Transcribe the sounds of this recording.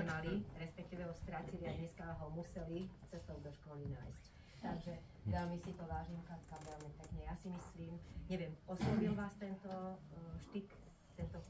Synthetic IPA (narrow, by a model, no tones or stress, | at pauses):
maliɾɛspɛk̚t̪iːʋɛɦɔst̪ɾat͡siliad̪ɲɛskaɦɔmusɛlit͡sɛst̪ɔʊd̪ɔʃkɔlinaːjsc | t̪aɡʒɛ | ʋɛlmisit̪ɔʋaːʒimkat̪kaʋɛlmit̪aɡɲɛjasimisliːmɲɛʋjɛmɔslɔʋilʋaːst̪ɛnt̪ɔʃt̪ik | t̪ɛnt̪ɔ